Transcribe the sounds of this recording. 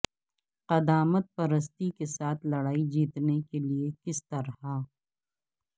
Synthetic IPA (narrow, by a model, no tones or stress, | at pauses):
qɐd̪aːmət̪̚pɐɾəs̬t̪ikesaːt̪ʰlɐɽaːid͡ʒiːt̪nekeliekɪst̪ɐɾha